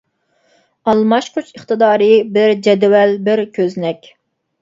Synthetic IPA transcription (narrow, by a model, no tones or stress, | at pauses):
ɑlˠmɑʃqʰot͡ʃəχt̪ɨd̪ɑːɾɨbɪɾd͡ʒɛd̪wɛlbɪɾkʲʰøznɛkʲ